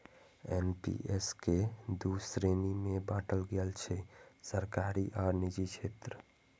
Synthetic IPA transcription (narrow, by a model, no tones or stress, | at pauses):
enpḭʔesked̪usɾenimẽbaːʈʰəlɡelt͡ʃʰesəɾkaɾiʔɔːɾnid͡ʒit͡ʃʰeːt̪ɾə